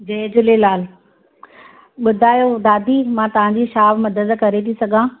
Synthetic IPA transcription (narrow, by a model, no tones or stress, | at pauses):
d͡ʑɐːd͡ʑʊlelaːl | ɓʊd̪ʱaːjod̪aːd̪ʱiːmãːt̪ɐʋ̤ãɲd͡ʑiːʃaːbmɐd̪əd̪kɐɾet̪ʰisɐɡʱãː